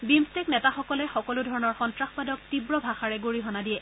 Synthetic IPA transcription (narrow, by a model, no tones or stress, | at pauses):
bimstɛknɛtaxɔkɔlɛxɔkɔlʊdʱɔɹɔnɔɹxɔntɹaxpadɔk̚tibɹɔbʱaxaɹɛɡoɹiɦɔnadijɛ